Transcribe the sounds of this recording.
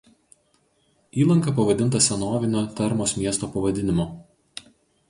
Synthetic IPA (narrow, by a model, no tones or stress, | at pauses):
iːlˠɐŋkɐpɐʋɐd̪ʲɪnt̪ɐsʲɛnoːʋʲɪnʲoːt̪ʲɛɾmoːsmʲiɛst̪oːpɐʋɐd̪ʲɪnʲɪmoː